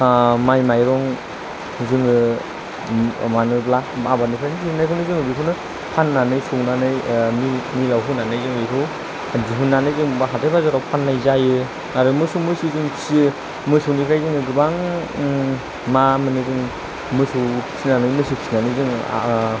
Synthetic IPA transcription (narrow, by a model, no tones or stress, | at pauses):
majmajɾɔŋ | zɯŋɯ | manɯblaabanipʰɾenʰiinajkʰɯwnɯzɯŋɯbikʰɯwnɯ | pʰanːanɯjsuwnanɯjmimilawɦunanɯjzɯŋitɯw | diɦunːanɯjzɯŋbaɦatajbazaɾɔwpʰanːajzajɯ | aɾɯmɯsumɯsuzɯŋsi | mɯsuwnipʰajzɯŋɯɡɯbaŋ | mamɯnɯzɯŋ | mɯsuwsʰinanɯjmɯsupsʰinanɯzɯŋ̰